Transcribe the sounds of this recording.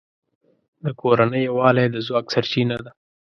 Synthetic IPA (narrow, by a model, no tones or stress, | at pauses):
d̪əkʰoɾanəjwɑlad̪əzwɑksaɾt͡ʃinad̪a